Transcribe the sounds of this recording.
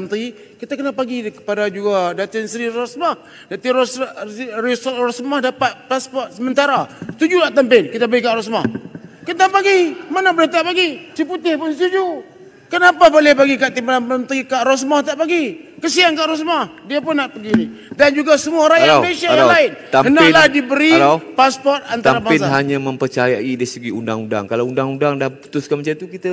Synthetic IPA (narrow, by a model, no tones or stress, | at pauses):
nt̪i | kit̪akənapaɡikə̥padad͡ʒuɡadat̪insɾiɾɔsmah | dat̪iɾsrisrɔsmahdapat̪̚paspɔt̪̚səmənt̪aɾast̪ud͡ʒunaʔt̪əmpɪnkit̪abaɡikaʔɾɔsma̰hkənt̪apaɡimanabəɾit̪aʔpaɡit͡ʃiput̪ɪhpʊnst̪ud͡ʒu | kənapabolɪhbaɡikaʔt̪impalanpənt̪ikaʔɾɔs̬mɔht̪aʔpaɡikəsiaŋkaʔɾɔs̬mɔhdiapʊnːaʔpəɡinidand͡ʒuɡasəmuaɾajaesajalaɪnt̪aənalahdibəɾipaspɔrt̪̚ant̪aɾamaɪnɦaɲaməmpərt͡ʃajaidaisəɡiunda̰ŋunda̰ŋkalawundaŋundaŋdahpu̥t̪ʊskanmət͡ʃat̪ukit̪a